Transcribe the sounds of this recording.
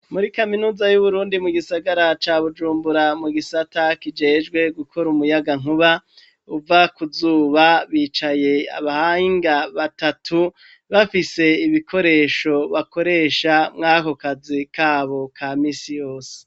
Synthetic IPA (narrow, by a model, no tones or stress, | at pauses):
muɾikaminuːzajuβuɾuːndimuɡisaɡaɾat͡ʃaːβud͡ʒuːmbuɾamuɡisatakid͡ʒe̞ːd͡ʒɡwe̞ɡukʰo̞ɾumujaɡaŋuβa | uvakuzuːβaβiːt͡ʃaje̞a̰βahaiŋɡaβatatʰu | βafise̞iβikʰo̞ɾe̞ːʃo̞βako̞ɾe̞ːʃamŋaːko̞kazikaːβo̞kʰaːmiːsijo̞ːse̥